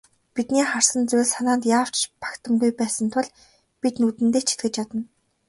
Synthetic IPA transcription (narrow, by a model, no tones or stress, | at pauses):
pit̪niːχar̥sə̆nt͡sʊjɮsanaːnt̪jaːw̥t͡ɕpḁkt̪ʰə̆mɡujpæːsə̆nt̪ʰʊɮ | pit̪nut̪ɘ̆nt̪eːt͡ɕʰi̥t̪ɡɘ̆t͡ɕjat̪ə̆n